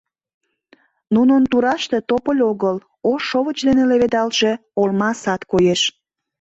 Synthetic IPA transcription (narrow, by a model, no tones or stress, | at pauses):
nunənt̪uɾɑʃt̪et̪opəlʲoɣəl | oʃoβət͡ɕd̪eneleβed̪ɑlʃe̽olmɑsɑt̪kojeʃ